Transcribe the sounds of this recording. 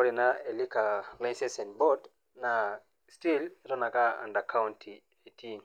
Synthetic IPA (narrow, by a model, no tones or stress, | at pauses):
ɔɾinaelikalãnsɛsɛ̃nbɔd | na | stilɾɔnakaã̰ndakʰawntʰi | etʰin